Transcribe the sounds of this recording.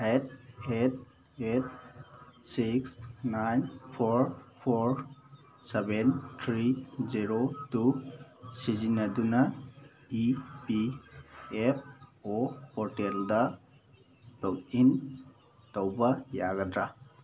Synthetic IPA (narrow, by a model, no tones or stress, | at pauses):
et̚et̚ | et̚ | siksnajnpʰɔɾpʰɔɾ | sebentʰɾiziɾotusizinaduna | ipi | ep̚ʰɔpɔɾtelda | tɔkin | tɔwbajaɡadɾa